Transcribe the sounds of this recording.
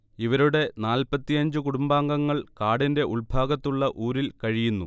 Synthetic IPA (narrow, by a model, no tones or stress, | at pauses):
iʋɐɾuɽe̞naːlpɐt̪ːijɐɲd͡ʑɨkuɽumbaːŋɡɐŋːɐɭkaːɽinde̞ʔuɭbʱaːɡɐt̪ːuɭːɐʔuːɾilkɐɻijunːṵ